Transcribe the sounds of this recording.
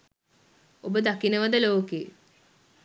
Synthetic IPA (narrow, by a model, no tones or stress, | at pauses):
obəd̪akinəʋəd̪əloːkeː